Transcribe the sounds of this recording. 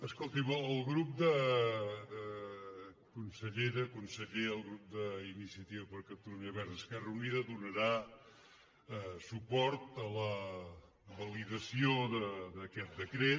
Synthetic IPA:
əskolˠt̪iməlˠɣɾup̚d̪ə | kunsəʎeɾəkunsəʎeəlˠɣɾup̚d̪əinisiət̪iβəpəɾkəp̚t̪uɾuniəβɛɾðəskɛrəuniðəðunəɾa | supɔɾt̪ələ | βəliðəsioðəd̪əkɛt̪̚d̪əkɾe

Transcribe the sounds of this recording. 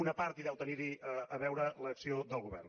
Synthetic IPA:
unəpaɾt̪iðɛwt̪əniɾiʔəəβɛwɾələksioðəlˠɣuβɛ̰rn

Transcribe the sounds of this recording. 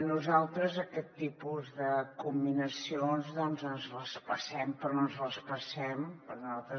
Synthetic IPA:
nuzalˠt̪ɾəzəkɛt̪ːipuzðəkumbinəsionzðɔnzənzləspəsɛmpɾɔoənzləspəsɛmpəɾnuzalˠt̪ɾə

